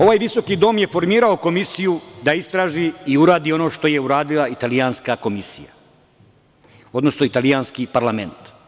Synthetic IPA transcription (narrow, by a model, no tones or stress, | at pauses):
o̞ʋaːjʋiso̞kid̪o̞ːmje̞fo̞ɾmiːɾao̞ko̞misijud̪aist̪ɾaːʒiiuɾaːd̪iːo̞no̞ʃt̪o̞je̞uɾaːd̪ilˠait̪aliaːnskako̞misḭja̰ | o̞d̪no̞snoit̪aliaːnskipaɾlame̞nt̪